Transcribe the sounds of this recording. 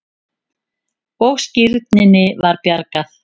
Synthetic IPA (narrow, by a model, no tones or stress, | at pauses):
owɣscɪɾt̪nɪnɪvaɾpjaɾkaθ